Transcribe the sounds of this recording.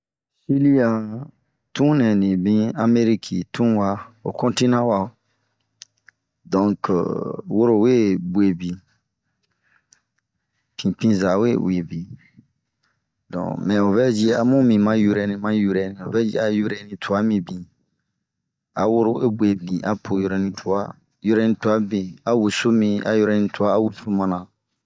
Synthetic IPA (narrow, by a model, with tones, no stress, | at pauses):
si˦li˦a˨ | tũ˦nɛ̃˨nĩ˨bĩ˦a˧me˦ɾi˦kʰḭ˨tũ˦wa˧o̰˨kɔ̃˦ntĩ˦nã˦wa˨o˨ | dɔ̃˨ŋkə̰˨wo˦ɾo˨we˦bwe˨bĩ˨ | pʰĩ˨pĩ˦za˨wḛ˦we˨bĩ˨ | dɔ̰̃˨mɛ̃˨o˨vɛ˦d͡ʒi˦a˨mũ˦mĩ˨mã˦ju˧ɾɛ˨nĩ˧mã˦ju˦ɾɛ˨nĩ˨o˨vɛ˦d͡ʒḭ˦a˨ju˦ɾɛ˨˦nĩ˧tʰu˨a˦mĩ˨bĩ˨ | a˨wo˦ɾo˦we˦bwe˨bĩ˨ʔa˨pʰo˨jo˦ɾɛ˨˦nĩ˧tʰu˨a˦ | ju˦ɾɛ˧˦nĩ˦tu˨a˦bĩ˨a˨wu˨so˦mĩ˧a̰˨jo˦ɾɛ˧nĩ˧tu˨a˦a˦wu˨su˦mã˧nã˨